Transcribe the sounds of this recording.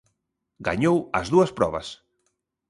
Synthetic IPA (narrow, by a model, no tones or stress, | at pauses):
ɡaɲowɐzðuɐspɾɔβɐs